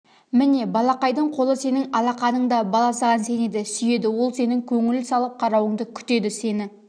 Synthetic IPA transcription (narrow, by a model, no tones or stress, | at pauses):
mɪne̞bɑlˠɑqɑjd̪əɴqʰo̞lˠəse̞nɪŋɑlˠɑqɑnəɴd̪ɑbɑlˠɑsɑʁɑnse̞ne̞d̪ɪsʏje̞d̪ɪwo̞lˠse̞nɪŋkʲʰɵŋɪlsɑlˠəp̚qʰɑɾɑwəɴd̪əkʲʰʏ̥t̪e̞d̪ɪse̞nɪ